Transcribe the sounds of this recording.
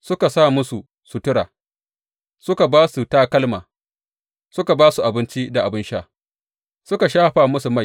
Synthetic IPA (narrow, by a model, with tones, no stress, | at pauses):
sʊ˦ka˨saː˦˨mʊ˦su˨ | su˨tʊ˦ɽaː˨ | sʊ˦ka˨baː˦su˨taː˦kɐ˦lmaː˨ | sʊ˦ka˨baː˦su˨ʔa˨bɪ˦nt͡ʃi˦da˨ʔa˨bɪ˦nʃa̰ː˦˨ | sʊ˦ka˨ʃaː˦ɸa˨mʊ˦su˨ma˦˨